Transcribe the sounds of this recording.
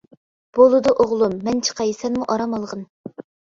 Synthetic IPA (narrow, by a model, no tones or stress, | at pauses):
b̥olˠɨd̪uʔoʁlˠumːɛnt͡ʃʰə̥qʰɑjsɛnmuʔɑɾɑmɑlˠʁən